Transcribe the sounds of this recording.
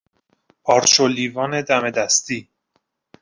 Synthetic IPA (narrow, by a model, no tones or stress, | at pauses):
ɒːɾt͡ʃʰoliːvɒːne̞d̪æme̞d̪æst̪iː